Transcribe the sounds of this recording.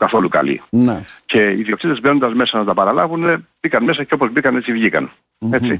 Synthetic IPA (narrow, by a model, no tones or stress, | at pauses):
kɐθo̞lukɐ̰lḭnece̞iðioksit̪ezbenond̪ɐzme̞sɐnɐt̪ɐpɐɾɐlɐvune̞b̥ikɐnme̞sɐceopo̞zbikɐne̞t͡sivʝikɐn | e̞t͡sḭ